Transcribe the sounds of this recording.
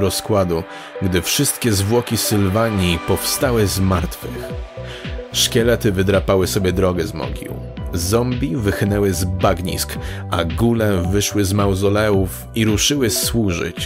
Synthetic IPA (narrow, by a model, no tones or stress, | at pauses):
ɾɔskwad̪u | ɡd̪ɘfʂɘst̪kʲɛzvwɔkʲisɘlvaɲipɔfst̪awɘzmaɾt̪fɘ̰x | ʂkʲɛlɛt̪ɘvɘd̪ɾapawɘsɔbʲjɛd̪ɾɔɡɛzmɔ̰ɡʲḭw | zɔmbʲivɘxnɛwɘzbaɡɲḭskʔaɡulɛvɘʂwɘzmawzɔlɛuf | iɾuʂɘwɘswuʐɘ̰t͡ɕ